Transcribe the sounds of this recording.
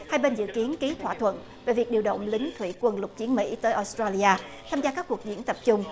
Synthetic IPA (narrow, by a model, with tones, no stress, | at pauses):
haː˧jɓe˧nzɨ̰˧˨ki˨˦ənki˨˦t̪ʰwaː˧˩t̪ʰwə̰˧˨n | ve˨˩vi˨˩ək̚ɗi˧əwɗə̰˧˨wŋ͡mlï˨˦ŋ̟t̪ʰwḭ˧˩kwə˧nlʊ˨˩k͡p̚t͡ɕi˨˦ənmḭ˧˥t̪əː˨˦jʔo˧st̪ɾaː˧li˧aː˧t̪ʰaː˧mzaː˧kaː˦˥kku˨˩ək̚zḭ˧˥ənt̪ə˨˩p̚t͡ɕʊ˧ŋ͡m